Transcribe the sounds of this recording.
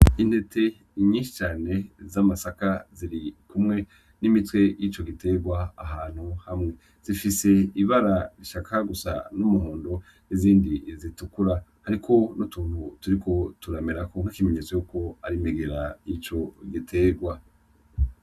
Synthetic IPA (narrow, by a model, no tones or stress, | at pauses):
in̥he̞tʰe̞ | ɲĩːnʃi̥t͡ʃaːne̞zamasakaziɾikumŋe̞ | nimitwe̞jit͡ʃo̞ɡite̞ɡwaːɦaːn̥huhamŋe̞ | z̥ifise̞iβaɾaɾiʃakʰaɡusa̰numuhuːndo̞ | iziːndizitukuɾahaɾikʰo̞nutuːn̥hutuɾiko̞tuɾameɾakoŋ̥hakime̞ɲet͡so̞juko̞aɾimeɡe̞ɾajit͡ʃo̞ɡitʰe̞ːɡwa